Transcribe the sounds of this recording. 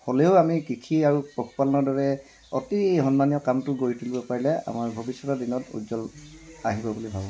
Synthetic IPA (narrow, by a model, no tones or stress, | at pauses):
holeʊamikɹikʰiaɹupɹokʰu̥palɔnɔdɔɹɛ | otihɔnmanijɔkamtʊɡoɹitʰulibɔpaɹilɛa̰maɹbʱobisːɔtadinɔtṵzɔlaɦibɔbulibʱabɔ